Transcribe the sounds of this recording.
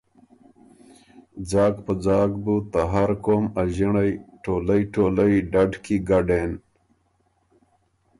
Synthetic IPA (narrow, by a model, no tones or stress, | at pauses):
d͡zaːɡpəd͡zaːɡ̚but̪aɦaɾkoːmɐʑiɳjʈoːlɐjʈoːləjɖɐɖkiɡaɖeːn